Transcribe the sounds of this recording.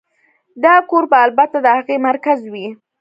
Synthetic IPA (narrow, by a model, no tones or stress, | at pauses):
d̪ɑkoɾbaːlbat̪ad̪əhaɣemaɾkazwi